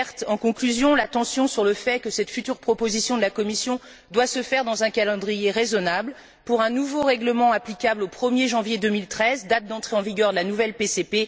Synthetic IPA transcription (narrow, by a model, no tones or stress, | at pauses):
ɛʁt̪ɑ̃kɔ̃klyzjɔ̃lat̪ɑ̃sjɔ̃syʁləfɛkəsɛt̪fyt̪yʁpχɔpozisjɔ̃d̪əlakɔmisjɔ̃ | d̪wasəfɛʁd̪ɑ̃zɛ̃kalɑ̃d̪ʁijeʁezɔnabl | puʁɛ̃nuvoʁɛɡləmɑ̃aplikʲablopχəmjeʒɑ̃vjed̪ømilt̪χɛzd̪at̪̚d̪ɑ̃t̪χeɑ̃viɡʲœʁd̪əlanuvɛlpesepe